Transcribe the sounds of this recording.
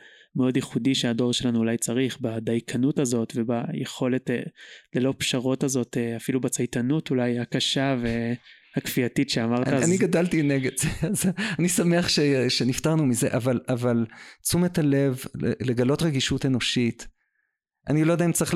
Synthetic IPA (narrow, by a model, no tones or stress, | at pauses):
meo̞d̪jeχudiʃeado̞ʁʃelanuːlajt͡saʁiχbadajkʰanutazo̞tvebajeχo̞le̞tlelo̞pʃaʁo̞tazo̞teafilubat͡sajtanutulajakaʃavehakfiatitʃeamaʁt̪aaniɡadaltineɡedzeazanisameaχʃeʃe̞niftaʁnumize̞̰ʔavalavalt͡sumetale̞vlele̞ɡalo̞tʁeɡiʃute̞no̞ʃit | ʔa̰nilojd̪aimt͡saʁiχ